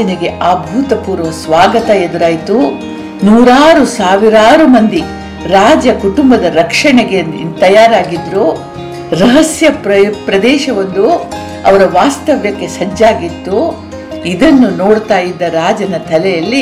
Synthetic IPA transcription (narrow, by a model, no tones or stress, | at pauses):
ɐniɡe̞ʔaːbʱuːt̪ɐpuːɾɐʋɐsʋaːɡɐt̪ɐed̪uɾaːjt̪u | nuːɾaːɾusaːʋiɾaːɾumɐnd̪i | ɾaːd͡ʒɐkuʈumbɐd̪ɐɾɐkʂɐɳeɡet̪ɐjaːɾaːɡid̪ɾu | ɾɐɦɐsjɐpɾpɾɐd̪ɛːʃɐʋɐnd̪u | ɐʋɐɾɐʋaːst̪ɐʋjɐkːe̞sɐd͡ʒaːɡit̪ːu | id̪ɐnːunoːɽt̪aːjid̪ːɐɾaːd͡ʒɐnɐt̪ʰɐlɛjɐlːi